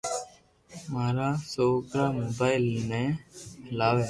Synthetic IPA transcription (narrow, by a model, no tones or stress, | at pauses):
maːɾaːsoːkɾaːmoːbaːɪlmẽːhəlaːʋeː